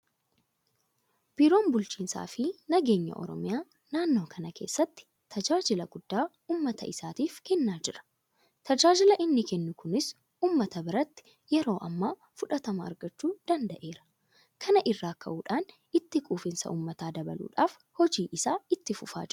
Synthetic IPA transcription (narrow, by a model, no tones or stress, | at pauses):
b̥ɪɾo̞ːnbʊlt͡ʃiːnsa̰ːfɪnɐɡe̞ːɲːɐ̰ʔɔ̰ɾɔ̰mɪjaː | naːnːo̞ːkʰɐnɐkʰe̞̰ːsːɐt̪ːɪ̥ | t̪ʰɐd͡ʒaːd͡ʒɪlɐɡʊd̪̥ːaː | uːmːɐt̪ɐ̰ʔɪsaːt̪iːfkɛnːaːd͡ʒɪɾɐ̥ | t̪ɐd͡ʒaːd͡ʒɪlɐʔɪnːɪkɛnːʊkʊnɪs | uːmːɐt̪ɐbɪɾɐt̪ːɪ̥ | jɛɾo̞ːʔɐ̰mːaː | fʊᶑɐt̪ɐmɐɐ̰ɾɡɐt͡ʃːuːd̪̥ɐnd̪ɐʔe̞ːɾɐ̥ | kʰɐnɐʔɪrːaːkːɐ̰ʔuːᶑaːn | ɪt̪ːɪkʼuːfɪnsɐ̰ʔuːmːɐt̪aːd̪ɐbɐ̰lṵːᶑaːf | hɔd͡ʒiːʔɪsaːɪt̪ːɪfʊfa̰ːd͡ʒɪɾʊ